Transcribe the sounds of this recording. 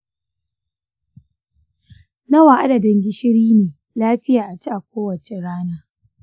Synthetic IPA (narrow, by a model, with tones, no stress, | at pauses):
nɐ˦wa˨ʔa˦dɐ˨dɪ˨ŋɡʲɪ˦ʃɪ˦ɽiː˦neː˨ | laː˦ɸɪ˦jaː˨ʔa˨t͡ʃi˦ʔa˨kʷoː˦wɐ˨t͡ʃe˨ɽaː˦naː˦